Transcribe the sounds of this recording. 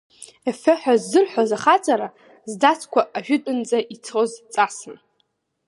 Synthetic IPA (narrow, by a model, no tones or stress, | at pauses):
efɨħʷᶣazːɨrħʷazaχat͡sʼaɾa | zdat͡sʰkʷʰaʔaʒᶣʏtʼʊnd͡zʼaʔit͡sʰozt͡sʼasɨn